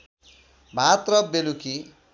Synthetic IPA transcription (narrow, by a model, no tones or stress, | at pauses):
bʱat̪rʌbeluki